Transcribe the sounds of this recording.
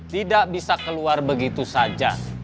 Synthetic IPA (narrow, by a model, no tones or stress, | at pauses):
t̪idaʔbisakəluarbəɡit̪usad͡ʒa